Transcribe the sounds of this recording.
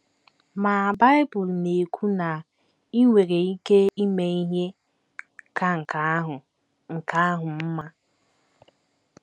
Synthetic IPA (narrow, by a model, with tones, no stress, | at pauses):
ma˨ba˦ɪ˦bʊ˨lne˨kʷʰu˦na˨ | i˦ŋʷe˨ɾe˨i˦ke˦i˦me˨i˦ɦe˦ | ka˦ŋ̩˨ka˨˦ɦʊ˨ | ŋ̩˨ka˦a˦ɦʊ˨m̩˦ma˦